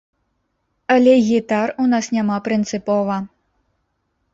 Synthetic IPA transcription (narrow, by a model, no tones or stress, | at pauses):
ɐlʲɛɣʲit̪arunasnʲamapɾɨnt̪sɨpɔvɐ